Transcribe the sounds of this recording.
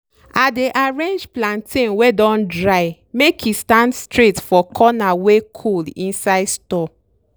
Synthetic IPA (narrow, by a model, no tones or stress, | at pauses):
adeʔaɹẽnd͡ʒplãntʰẽnwedɔ̃ndɹaɪ | mekʰistãndstɹetfɔkʰɔnawekʰoldḭ̃nsaɪdstɔ